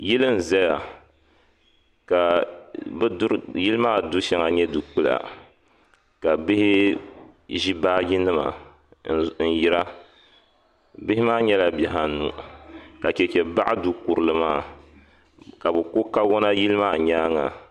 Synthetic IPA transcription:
ji˦lɨ˦m˨zɛ˦ja˨ | ka˨bɾji˦lɨ˦maː˦˨du˦ʃɛ˦ŋa˨ɲɛ˦du˨k͡pɨ˦la̰˨ | ka˨bɪ˦hɪ˦ | ʒi˦baː˦ɡʲi˦nɨ˦ma̰˨ | n̩˨ji˦ɾa˦ | bɪ˦hɪ˦maː˦ɲɛ˦la˨bɛ˨ɦa˨nṵ˨ka˨t͡ʃɛ˨t͡ʃɛ˨ba̰˦ʔa˦du˨ku˨ɾɨ˨lɨ˨maː˦˨ | ka˨bɨ˨kʊ˦ka˦wɔ˦na˦ji˦lɨ˦maː˦˨ɲaː˦ŋa̰˨

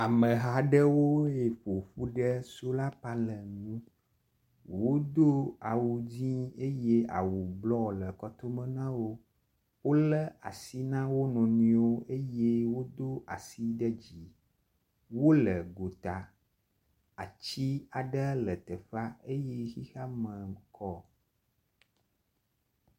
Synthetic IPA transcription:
a˨mə̃˨ɦa˨ɖə˦wo˦e˨ɸo˨ɸu˦ɖə˦so˦la˦pa˦lə˨nũ˦ | wo˦d̪o˦a˨wu˨d͡ʑĩ˦e˦je˦a̰˨wu˨blɔ˦lə˨kɔ˦t̪o˦mə̃˦nã˦wo˦ | wo˦lə˦a̰˨si˦nã˦wo˦nɔ̃˨nĩ˨wo˦ʔe˦je˦wo˦d̪o˦ʔa˨si˦ɖə˦d͡ʑi˨ | wo˦lə˨ɡo˨t̪a˨ | a˨t͡ɕi˦a˨ɖə˦lə˨t̪ə˨fa˦e˦je˦ɣi˦xa˦mə̃˨kʰɔ˦

